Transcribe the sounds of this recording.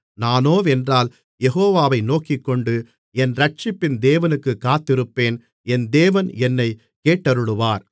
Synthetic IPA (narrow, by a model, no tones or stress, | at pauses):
naːnoːɛndraːl | jɛɦoːʋaːʋɐɪnoːkɪkːɔɳɖɯ | ɛnɾɐʈ̚t͡ʃɪpːɪnd̪eːʋɐnɯkːɯkːaːt̪ːɪɾɯpːeːn | ɛnd̪eːʋɐnɛnːɐɪ | keːʈːɐɾɯɽɯʋaːɾ